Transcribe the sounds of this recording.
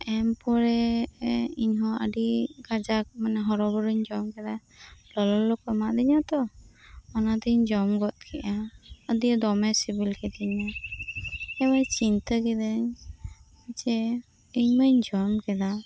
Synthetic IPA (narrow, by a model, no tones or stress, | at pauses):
ɛmpɔɾɛ | iɲɦɔə̰ɖiɡad͡ʒak̚manɛɦɔɾɔbɔɾuɲd͡ʒɔmkɛd̪a | lɔlɔlɔkɔmaʔd̪iɲat̪ɔ | ɔnad̪iɲd͡ʒɔmɡɔt̪̚kʰɛʔaəd̪ijɔd̪ɔmɛsibilkɛd̪ɛɲa | ɛbajt͡ʃint̪əkɛd̪əɲ | at͡ʃɛ | iɲməɲd͡ʒɔmkɛd̪a